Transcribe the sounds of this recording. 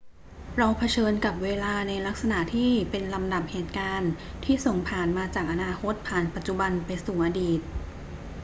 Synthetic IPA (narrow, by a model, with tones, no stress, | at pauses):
ɾaː˧wpʰa˧t͡ɕʰɤː˧nka˨˩p̚weː˧laː˧na˧jla˦˥k̚sa˧na˨˩ʔt̪ʰiː˥˩pe˧nla˧mda˨˩p̚heː˨˩t̪̚kaː˧n | t̪ʰiː˥˩so˨˩ŋpʰaː˨˩nmaː˧t͡ɕaː˨˩k̚ʔa˧naː˧kʰo˦˥t̪̚pʰaː˨˩npa˨˩t̪̚t͡ɕu˨˩ba˧npa˧jsuː˨˩ʔaː˧diː˨˩t̪̚